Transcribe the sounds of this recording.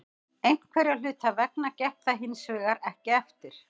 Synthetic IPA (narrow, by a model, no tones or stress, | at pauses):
ejn̥kʰvɛɾal̥ʏːt̪avɛk̚nacɛht̪aɦɪnsvɪːɣaɾɛhcɪɛft̪ɪɾ̥